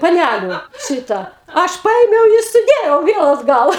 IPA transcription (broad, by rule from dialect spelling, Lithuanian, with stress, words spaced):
pɐˈnʲælʲʊ ˈʃʲiːtɐ ˈɐʃ ˈpɐeːmʲɛʊ ɪ sʊˈdʲeːjɛʊ ˈʋʲiɛlˠ ɐdˈɡɐlˠ